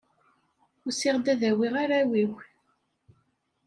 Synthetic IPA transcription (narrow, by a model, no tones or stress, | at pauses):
ʊsɪʁd̪æðæwiʁaɾæwiw